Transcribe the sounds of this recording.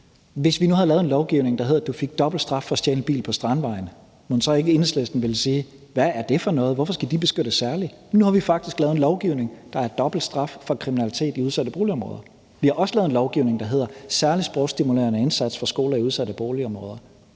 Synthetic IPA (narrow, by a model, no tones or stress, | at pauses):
ʋe̝sʋinuhɑ̈lɛːenlɒʊɡ̥iʊne̝ŋd̥ɑ̈ɦe̝ð̞̰ˠɐd̥ufe̝ɡ̥̚d̥ɒ̽b̥l̩d̥sd̥ʁɑ̈fːɒ̽sd̥jeːnəb̥ḭːl̩pʰɒ̽sd̥ʁɑ̈nʋɑ̈ɪn̩ | monsɒ̽e̝ɡ̥əe̝nslḛsd̥n̩ʋe̝lsiː | ʋææɐd̥e̝fɒ̽nɔ̽ːð̞̩ˠʋɒ̽fɒ̽sɡ̥æd̥ib̥e̝sɡ̥ød̥əsːæɐlinuhɑ̈ʋifɑ̈ɡ̥̚d̥isɡ̥lɛːð̩enlɒʊɡ̥iʊ̰ne̝ŋd̥ɑ̈æɐd̥ɒ̽b̥l̩d̥sd̥ʁɑ̈fːɒ̽kʰʁiminælit͡sʰe̝̰ːd̥iuðˠsæd̥əb̥o̝ːliɒ̽mʁɔ̽ːðˠɐ | ʋihɑ̈ʔɒ̽sə̥lɛːð̩ˠenlɒʊɡ̥iʊ̰ne̝ŋd̥ɑ̈ɦe̝ð̞̰ˠɐsæɐlisb̥ʁɔʊsd̥imulḛːɐnəensæd̥sfɑ̈sɡ̥o̝ːlɐiuðˠsæd̥əb̥oːliɒ̽mʁɔ̰ːð̞ˠɐ